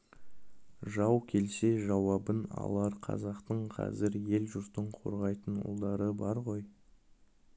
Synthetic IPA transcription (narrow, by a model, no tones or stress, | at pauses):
ʒɑwkʲʰe̞lse̞ʒɑwɑbənɑ̰lˠɑɾqʰɑ̰zɑqt̪əɴqʰɑ̰zɪɾje̞lʒʊɾt̪əɴqʰo̞̰ɾʁɑjt̪ənʊ̰lˠd̪ɑɾəbɑɾʁo̞j